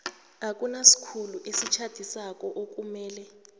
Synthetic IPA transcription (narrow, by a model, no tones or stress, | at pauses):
akʼunasi̥kʰuluʔesit͡ʃʰad̥ʱisak̬ʼɔʔok̬ʼumɛːlɛ